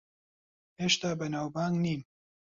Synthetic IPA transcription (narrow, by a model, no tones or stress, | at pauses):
heːʃt̪aːbɐnaːwbaːŋɡniːn